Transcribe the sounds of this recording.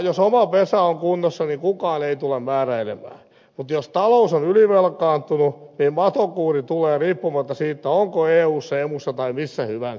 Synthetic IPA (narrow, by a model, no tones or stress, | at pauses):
josomɑpesæoŋkunːosːɑniŋkukɑːneit̪ulemmæːræilemæ̰ː | mut̪jost̪ɑlousonyliʋelkɑːnt̪ununiːmmɑt̪okuːrit̪uleːriːpːumɑt̪ːɑsiːt̪ːæoŋkoeːuːsːemusːɑt̪ɑimisːæhyʋæn